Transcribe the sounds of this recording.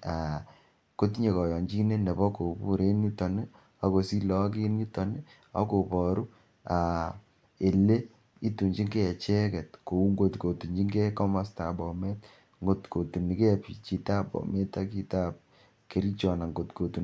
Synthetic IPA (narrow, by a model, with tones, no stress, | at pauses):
a˨ | ko˦t̬ɲe˨kɔ˨jɔ˨ɲt͡ʃi˦ne˦ne˨bɔ˦ko˨pṵ˦ɾe˦ni˦tɔ˨nɪ˦ | a˦ko˨si˦lɔ˦k̬i˦ni˦tɔ˨ne˦ | a̰˦ko˨pɔ˨ɾu˦ | a˨ | e˨le˦ | i˦tu˨ɲt͡ʃi˦ŋɡɛ˦˨t͡ʃɛ˦kɛ˨t̚ko˨u˦ŋɡo˨tko˨tu˨ɲd͡ʒi˦ŋɡe˦kɔ˦ma˦sta˨bɔ˨me˦t | ŋɡo˨tko˨tu˨ni˨˦ke˦˨pi˨t͡ʃi˨ta˦bɔ̰˨me˦ta˦ki˦ta˦p̚ | ke˨ɾi˦t͡ʃɔ˨na˨ŋɡo˨tko˨tu˨n